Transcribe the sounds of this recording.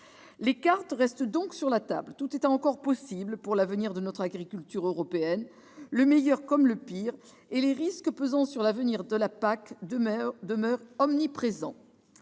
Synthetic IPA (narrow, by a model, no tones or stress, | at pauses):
lekaʁt̪ʁɛst̪d̪ɔ̃ksyʁlat̪a̰blt̪ut̪et̪ɑ̃kɔʁpɔsiblpuʁlavəniʁd̪ənɔt̪χaɡʁikʲylt̪yʁøʁɔpeɛn | ləmɛjœʁkɔmləpiʁ | eleʁiskəpøzɑ̃syʁlavəniʁd̪əlapak̪d̪əmœʁɔmnipχezɑ̃